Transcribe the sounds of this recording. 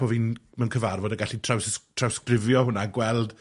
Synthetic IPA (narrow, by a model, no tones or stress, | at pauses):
ɔvinmɛwnkʰəvarvɔdəɡaɬitʰrawstʰrawskrɪvjɔɦʊnaɡwɛlˠd̥